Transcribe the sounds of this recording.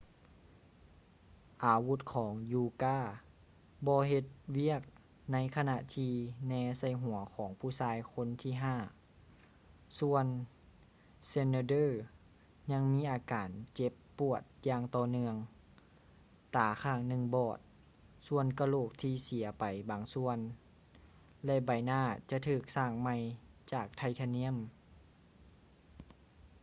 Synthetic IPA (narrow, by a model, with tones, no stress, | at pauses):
ʔaː˨˩wu˧˥t̪̚kʰɔː˨˦ŋjuː˧kaː˧˩ | bɔː˧ɦe˧t̪̚wi˥˩ək̚ | na˧˥jkʰa˧na˧t̪ʰiː˧nɛː˧sa˧˩jɦu˨˩˦ɐkʰɔː˩˦ŋpʰuː˧˩saː˧˥jkʰo˧˥˨nt̪ʰiː˧˩ɦaː˧˩ | su˧ən | se˧ne˧dɤː˧˩˨ | ɲa˧˥ŋmiː˧˥ʔaː˨˩kaː˨˩nt͡ɕe˧˥pːu˧˩ət̪̚jaː˧ŋt̪ɔː˧˩nɯ˧əŋ | t̪aː˨˩kʰaː˧˩ŋnɯ˧˨ŋbɔː˨˩t̪̚ | su˧ənka˧loː˧˩k̚t̪ʰiː˧si˨˩˦ɐpa˨˩jbaː˨˩ŋsu˧ən | lɛ˧ba˨˩jnaː˧˩t͡ɕa˧t̪ʰɯː˧˩k̚saː˧˩ŋma˧˩jt͡ɕaː˨˩k̚t̪ʰa˧jt̪ʰa˧ni˧˥ə˨m